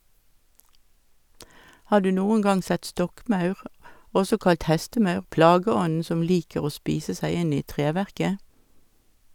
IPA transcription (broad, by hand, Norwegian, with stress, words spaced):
ˈhɑː ˈdʉː ˈnuːəŋ ˈɡɑŋ ˈsɛt ˈstɔkˌmɑʉʁ ˈɔsɔ ˈkɑlt ˈhɛstəˌmɑʉʁ ˈplɑːɡəˌɔn̩ ˈsɔm ˈliːkəʁ ˈoː ˈspiːsə ˈsæɪ ˈɪn ˈiː ˈtʁeːʋæʁkə